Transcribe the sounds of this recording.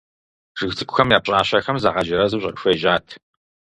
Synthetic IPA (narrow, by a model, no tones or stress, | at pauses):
ʐ̥ɨxt͡sʰɨkʷʊxɐmjaːp̚ɕʼaːɕɐxɐmzaʁɐd͡ʒɪɾɐzɨɕʼɐ̰kʼɕʷeːʒaːtʰ